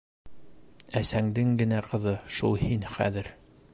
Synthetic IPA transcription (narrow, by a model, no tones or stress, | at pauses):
æsæŋd̪ɘŋɡɘ̆næqɤ̆ðɤʃulˠhinχæ̰ðɘɾ